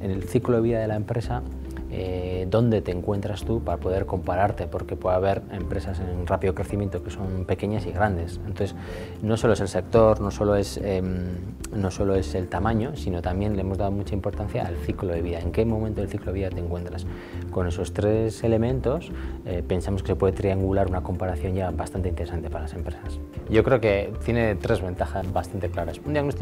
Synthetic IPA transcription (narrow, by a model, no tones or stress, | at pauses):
e̞ne̞lθikloðe̞βiðaðe̞laempɾe̞sa | eðo̞nd̪e̞t̪e̞ːŋkwe̞nt̪ɾast̪upaɾapo̞ð̞e̞ɾko̞mpaɾaɾt̪e̞po̞ɾke̞pweðaβ̞e̞ɾempɾe̞sase̞nrapiðo̞kɾe̞θimjent̪o̞keso̞mpe̞ke̞ɲasiɣɾand̪e̞sent̪oθes | no̞so̞lo̞eselse̞k̚t̪o̞ɾno̞solo̞e̞sem | no̞so̞lo̞e̞se̞lt̪amãɲo̞sino̞t̪ambje̞nle̞emo̞zðaðo̞mut͡ʃaimpo̞ɾt̪an̟θjaʔːlθikloðe̞β̞iðae̞ŋke̞momẽnt̪oelθikloiðat̪eŋkwe̞nt̪ɾas | ko̞ne̞so̞st̪ɾe̞se̞le̞mẽ̞nt̪o̞sepe̞nsamoskesepwe̞ðet̪ɾiaŋɡulaɾunako̞mpaɾaθjo̞ɲʝabast̪ant̪eint̪eɾsant̪epaɾalase̞mpɾe̞sasɟ͡ʝo̞kɾe̞oke̞t̪je̞net̪ɾe̞zβe̞nt̪axazβast̪ant̪e̞klaɾasund̪iaɣnot̪i